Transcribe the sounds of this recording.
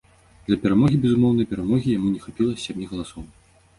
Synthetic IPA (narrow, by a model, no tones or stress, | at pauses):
d̪̥lʲɐpʲɛɾamɔɣʲibʲɛzumɔwnɐjpʲɛɾamɔɣʲijamunʲɛxapʲilˠɐsʲamʲiɣɐlˠasɔw